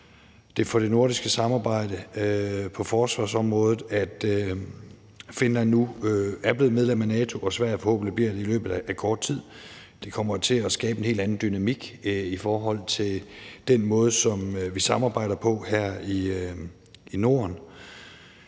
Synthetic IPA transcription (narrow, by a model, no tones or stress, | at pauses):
d̥e̝fɒ̽d̥e̝no̝ɐɾ̥isɡ̥əsɑ̈mɑ̈ːb̥ɑ̈ɪ̰d̥ə | pʰɒ̽fɒːsʋɑ̈sɒ̽mʁɔ̽ːðˠð̩ˠæd̥ | fe̝nlænːuæɐb̥le̝ːð̩ˠmeðˠlem̰ænɛːt͡sʰo̝ʔɒ̽sʋæɐ̰fɒhɔ̰̽b̥n̩lib̥liɐ̰d̥e̝ilø̰ːb̥ð̩ˠæʔækʰɒːd̥̚t͡sʰið̰ˠ | d̥e̝kʰɒ̽m̰ɐt͡sʰe̝ɒsɡ̥ɛːb̥əe̝nhe̝̰ld̥æn̩d̥ynæmiɡ̥ifɒːɦɒ̽l̰t͡sʰe̝ld̥enmɔ̽ːð̞ˠəsɒ̽mʋisɑ̈mɑ̈ːbɑ̈ɪ̰ɾ̥ɐpʰɒ̽hæɐ̰i | ino̝ːɐn